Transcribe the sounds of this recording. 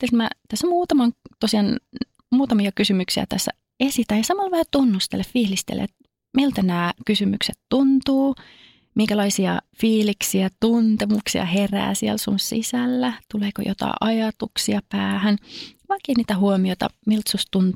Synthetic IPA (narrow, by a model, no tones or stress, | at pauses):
t̪ːesmæ̰t̪æsːmuːt̪ɑmɑŋt̪osiɑn | muːt̪ɑmiɑkysymyksiæ̰t̪æsːæ | esit̪æjjɑsɑmɑlʋɑhɑt̪unːust̪ḛleffiːlist̪ḛlḛt̪ | milt̪ænæːkysymykset̪tunt̪uː | miŋkælɑisiɑ̰fiːliksiæt̪unt̪emuksḭɑ̰heræ̰ːsiælsunsḭsælːæt̪uleːko̰jʔo̰t̪ɑ̰iʔɑjɑt̪uksiɑpæːhænʋɑkeːniːt̪æhuomioit̪ɑ̰milt̪sust̪un